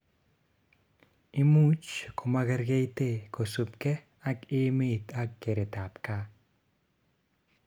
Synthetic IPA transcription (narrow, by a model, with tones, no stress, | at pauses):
imu˦t͡ʃkʰo˨ma˧ɣe˧ɾɡe˦jt̪eko˨su˨pke˦ | a˦ki˦mi˦t̪a˦kːe˨ɾe˨t̪a˨pka˦